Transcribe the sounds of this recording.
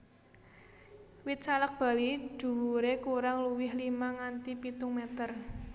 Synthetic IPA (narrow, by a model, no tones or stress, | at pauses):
wɪt̪̚t͡ʃalək̚b̥a̤lid̥ṳwuɾekuɾaŋluwɪhlimaŋant̪ipit̪uŋmɛt̪ər